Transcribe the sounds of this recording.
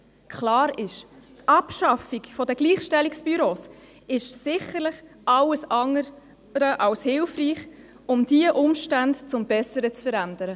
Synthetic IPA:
kʰlɑːɾɪʃtʔɑpʃɑfikfɔdəɡ̥liːχʃtɛliksb̥yɾoːs | ɪʃsɪχəɾlɪχ | ʔɑləsɑŋəɾ | ɾəʔɑlshɪlfriːχ | ʊmd̥iəʔʊmʃtæntt͡sʊmbɛsəɾət͡sfəɾænd̪əɾə

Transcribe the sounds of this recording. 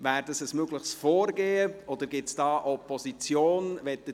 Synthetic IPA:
væːɾdəsəsmøɡləχsfɔːɾɡeːəʔɔd̪əɾɡɪtsd̥ɑːʔɔpʰɔsit͡sjoːnvɛtːə

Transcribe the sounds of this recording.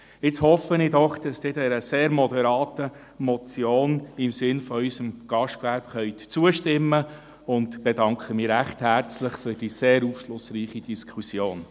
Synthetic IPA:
ɪt͡shɔfəniːdɔχd̥ɑsd̥̪ɪːdɛɾəseːɾmɔdɛɾɑːtə | mɔt͡sjoːnɪmsɪnfɔysəmɡ̥ɑʃtkʋæɾb̥χœʏt̪t͡suəʃtɪmːə | ʊntb̥edɑŋkχəmiːɾæχthæɾt͡sləχfʏɾd̥iseːɾufʃlʊsriːχid̥iskʰusjoːn

